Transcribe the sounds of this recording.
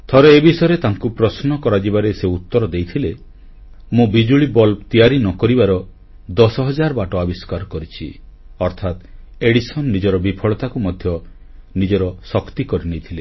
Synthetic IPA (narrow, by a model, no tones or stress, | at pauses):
t̪ʰɔɾɔebisɔjeɾet̪aŋkupɾɔsnɔkɔɾad͡ʒibaɾeseut̪ːɔɾɔd̪ejt̪ʰile | mũbid͡ʒuɭibɔlt̪ijaɾinɔkɔɾibaɾɔ | d̪ɔsɔɦɔd͡ʒaɾɔbaʈɔabiskaɾɔkɔɾit͡ʃʰi | ɔɾt̪ʰat̪eɽisɔnːid͡ʒɔɾɔbipʰɔɭɔt̪akumɔd̪ʱjɔ | nid͡ʒɔɾɔsɔkt̪ikɔɾinejt̪ʰile